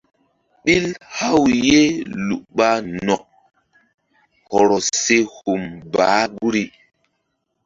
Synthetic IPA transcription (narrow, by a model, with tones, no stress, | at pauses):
ɓi˦lha˦wje˦lu˨ʔɓa˦nɔ˨k̚ | hɔ˨ɾɔ˨se˦hu˨mbaː˨˦ɡu˦ɾi˦